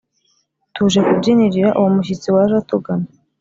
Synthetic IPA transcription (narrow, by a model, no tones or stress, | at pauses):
tuʒekubɟiniɾiɾaʔuwomuɕ̬it͡siwaʒatuɡana